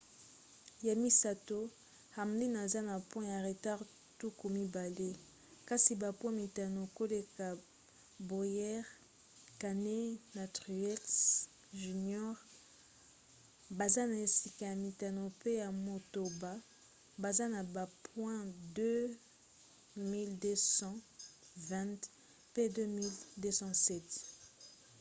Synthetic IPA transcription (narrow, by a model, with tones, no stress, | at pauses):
ja˨mi˨sa˨to˦ | ha˨mli˦na˨za˦na˨pwɛ̃˦ja˨ʁe˨ta˦ʁ | tu˦ko˨mi˦ba˨le˦ | ka˦si˨ba˨pwɛ̃˦mi˨ta˨no˨ko˦le˨ka˨ | bu˨jɛ˦ʁ | ka˨ne˦na˨tʁi˨ɛ˦ks | ʒy˨njɔ˦ʁ | ba˨za˦na˨e˨si˨ka˨ja˨mi˨ta˨no˨pe˦ja˨mo˨to˨ba˨ | ba˨za˦na˨ba˨pʰwɛ̃˦dø˦ | mi˦lde˦sɑ̃˦ | vɛ̃˦t | pe˦dø˦mi˦lde˦sɑ̃˦sɛ˦˨t